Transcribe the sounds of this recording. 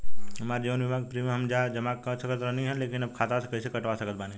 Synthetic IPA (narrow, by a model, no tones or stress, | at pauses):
ɦɐmaːɾd͡ʒiʋənʋɪbʱaːɡ̚pɾimẽɦɐmd͡ʒad͡ʒɐmakːasɐkət̪ɾɐniɦɛleːkɪnɐb̚kʰaːt̪asekɐsekɐʈʋasɐkət̪̚baːni